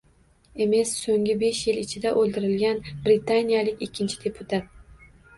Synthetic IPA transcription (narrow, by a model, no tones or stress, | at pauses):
e̞me̞sːoŋʲɪbe̞ʃjɪlɪt͡ʃʰɪd̪aʔolˠd̪ɪɾɪlɡʲanbɾɪt̪ʰanijalɪkʲɪkʲʰːɪnt͡ʃʰɪ̥d̪e̞pʰʊt̪ʰat̪̚